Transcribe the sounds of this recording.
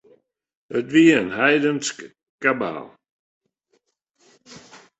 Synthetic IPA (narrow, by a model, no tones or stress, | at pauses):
ətviənhajdənsk | kaba̰ːlˠ